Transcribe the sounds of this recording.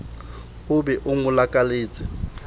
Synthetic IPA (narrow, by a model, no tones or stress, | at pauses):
ʊbɛʔʊŋʊlakʼaleːt͡sʼɪ